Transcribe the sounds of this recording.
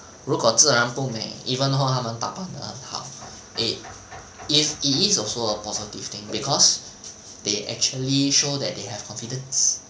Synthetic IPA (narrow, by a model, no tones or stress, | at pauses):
ɹukɔtəəɹãnpũmɛ̰̃ŋivə̃noɦamãnt̪a̰pãnə̰ə̰̃nha̰w | ʔit̚ | ifitisɔlsoəpɔzitiv̥t̪ɪ̃ŋbikʰɔs | deʔɛ̰k̚t͡ʃuəliʃodɛt̚deɦɛv̥kʰɔ̃nfidə̃ns